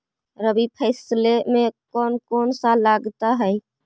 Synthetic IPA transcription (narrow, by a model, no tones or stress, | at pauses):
ɾəbipʰɛɪslemẽkɔːnkɔːnsalaɡt̪aɦɛ